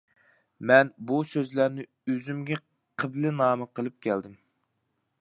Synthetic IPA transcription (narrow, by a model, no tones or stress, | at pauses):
mɛnbusøzlæɾnɪ | øzymɡʲɛ | qʰəblɪnɑːmɨqʰəlˠɨp̚kʲʰɛld̪ɪm